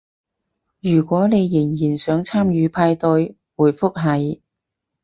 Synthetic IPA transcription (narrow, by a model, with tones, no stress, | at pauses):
jyː˨˩kʷɔː˨˥ne˨˧jːɪ˨˩ŋjiː˨˩nsœː˨˥ŋt͡sʰaː˥mjyː˨˧pʰaː˧jt̪ɵ˧ɥ | wuː˨˩jfʊ˥k̚ɦɐ˨˧j